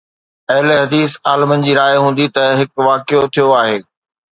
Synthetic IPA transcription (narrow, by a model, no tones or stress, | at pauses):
ɐɦɪleɦɐd̪iːsaːlmənɪ̆d͡ʑiːɾaːɪɦũːn̆d̪it̪ɐɦɪkʋaːkɪjot̪ʰijoaːɦeː